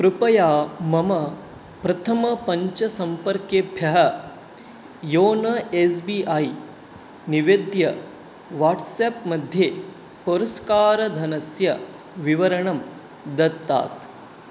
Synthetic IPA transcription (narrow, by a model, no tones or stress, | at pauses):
pɾupɐjaːmɐmɐ | pɾɐt̪ʰɐmɐpɐɲt͡ʃɐsɐmpɐɾkjebʱjɐɦɐ | joːnɐesbiʔaːj | niʋed̪jɐ | ʋaːʈseːpmɐd̪ʱjeː | poɾɐskaːɾɐd̪ʱɐnɐsjɐ | ʋiʋɐɾɐɳɐm | d̪ɐt̪ːa̰ːt̪